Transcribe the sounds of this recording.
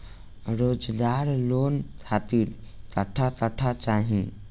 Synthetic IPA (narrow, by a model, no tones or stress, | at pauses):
ɾod͡ʒɡ̪aɾlontʰat̪iɾt̪əʈʰat̪əʈʰat͡ʃaɦĩ